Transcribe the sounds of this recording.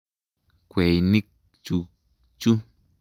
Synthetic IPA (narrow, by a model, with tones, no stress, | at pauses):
kʷe˨jni˦k̚ | t͡ʃu˧ | t͡ʃu˦